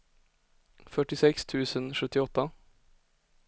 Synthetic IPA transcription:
fœʈɪsɛkst̪ʰʉ̟ːsənʂɵt̪ːɪɔt̪ːa

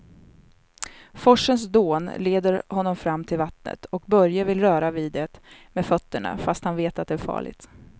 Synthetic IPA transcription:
fɔʂːəns̬d̪oːnleːd̪əɾhɔnːɔmfɾamːt̪ʰɪlvat̪nə̰t̪ʰɔk̚bœɾjavɪlɾœːɾaviːd̪ɛt̪mefœt̪ːəɳa̰fast̪hanveːt̪at̪̚d̪ɛæɾfɑ̰ːɭɪ̰ɡ̚t̪

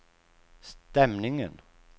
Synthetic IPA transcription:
st̪ɛmnɪŋə̰n

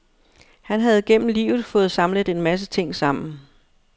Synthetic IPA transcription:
hænɦæð̞ˠɡ̥en̰m̩lḭːʊð̩ˠfɔ̽ːð̩ˠsɑ̈mlə̥e̝nmæs̬ət͡sʰe̝ŋ̰sɑ̈m̰n̩

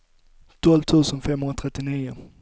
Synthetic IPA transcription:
t̪ʰɔlvt̪ʰʉ̟ːsənfɛmhɵnɾat̪ʰɾɛt̪ːɪniːʊ

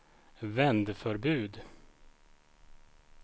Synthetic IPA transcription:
vɛnd̪fœɾbʉ̟ːd̪

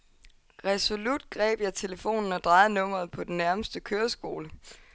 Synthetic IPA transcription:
ʁɛso̝lud̥ɡ̥ʁɛ̰ːb̥jɑ̈ɪt͡sʰe̝ləfo̝̰ːnn̩ɒd̥ʁɑ̈ɪð̩ˠnɔ̽m̰ɐð̩ˠpʰɒ̽d̥en̩ːæɐməsd̥əkʰøːɐsɡ̥o̝ːlə

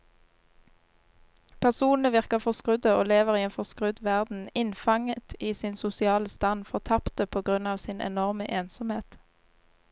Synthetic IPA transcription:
pʰæʁsuːnn̩əʋɪʁkəfɔskʁʉd̪əoːleːʋəʁiːeːnfɔʁskʁʉd̪ʋæʁd̪n̩ɪnfɑŋət̪ʰiːsɪnsʊsɪɑːləst̪ɑnfɔʁt̪ʰɑpt̪əpʰoːɡʁʉnɑːʋsɪnʔɛ̰nɔʁməʔeːnsɔmheːt̪

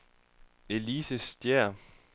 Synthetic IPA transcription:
e̝liːsəsd̥jɛɐ̰

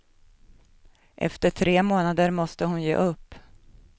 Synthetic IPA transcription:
ʔɛ̰ft̪əʈʰɾeːmoːnad̪əɾmɔst̪əhʊnjḛːʔɵpː

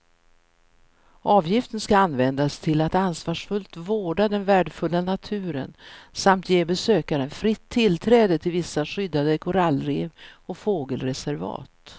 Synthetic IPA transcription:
ʔɑːvjɪft̪ənskaanːvɛnd̪ast̪ʰɪlat̪ansvɑːʂfɵlt̪voːɖad̪ɛnvæːɖəfɵlːanat̪ʰʉ̟ːɾə̰nsamt̪jeːbɛsøːkaɾənfɾɪt̪ʰːɪlt̪ʰɾɛːd̪ət̪ʰɪlvɪsːaɧʏd̪ːad̪əkʰʊɾalːɾeːvɔfoːɡəlɾɛsæɾvɑ̰ːt̪

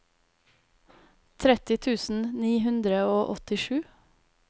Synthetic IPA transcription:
t̪ʰɾɛt̪ɪt̪ʰʉːsn̩niːɦʉnd̪ɾəoːʔɔt̪ɪʃʉː

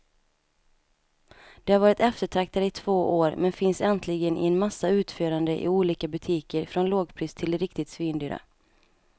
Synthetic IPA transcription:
d̪̥ɛhaɾvɑːɾɪt̪ɛft̪əʈʰɾak̚t̪ad̪əɪt̪ʰv̥oːʔoːɾmɛnfɪnsɛnt̪ʰlɪɡənʔɪ̰ɛnmasːaʉ̟ːt̪føːɾand̪əʔɪ̰uːliːkabɵt̪ʰiːkəɾfɾɔnloːɡpʰɾiːst̪ʰɪld̪ɛɾɪkt̪ɪt̪sviːnd̪yːɾa̰

